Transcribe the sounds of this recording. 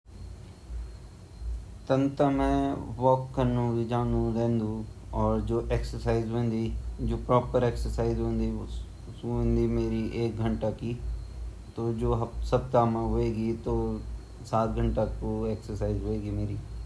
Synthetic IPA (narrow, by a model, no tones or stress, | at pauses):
t̪ənt̪amɛ̃ːʋɔːkːənːũid͡ʒãːnd̪ũɾẽːnd̪ũɔːɾd͡ʒoːʔeːksəɾsaːizɦõːnd̪iːd͡ʒoːpɾɔːpəɾeːksəɾsaːizɦõːnd̪ĩ | nd̪iːmeːɾiʔeːk̚ɡʱəɳʈaki | t̪od͡ʒoːɦsɐb̚t̪aːmãɦoeːɡit̪oː | saːt̪ɡʱə̃ɳʈakoeːksəɾsaːizɦoeːɡimeːɾiː